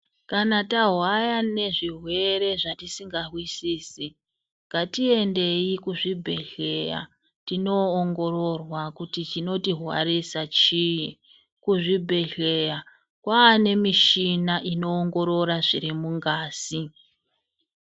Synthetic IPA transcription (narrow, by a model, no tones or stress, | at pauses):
kanataɦwajane̞ʐiɦwe̞ɾe̞ʐatisiŋɡaɦwisiːsi | ŋɡatie̞nde̞ikuʐibʱe̞ɮe̞ja̰ | tino̞ːŋɡo̞ɾo̞rwakutit͡ʃino̞tiɦwa̰ɾisat͡ʃiji | kuʐibʱe̞ɮe̞ja | kwaːne̞miʃinaʔino̞ːŋɡo̞ɾo̞ɾaʐiɾimuŋɡaːsi